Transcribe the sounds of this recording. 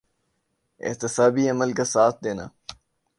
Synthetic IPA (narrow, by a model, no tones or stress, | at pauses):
ɪ̰ht̪ɪsaːbiɐməlkasaːt̪̚ʰd̪eːna̰ː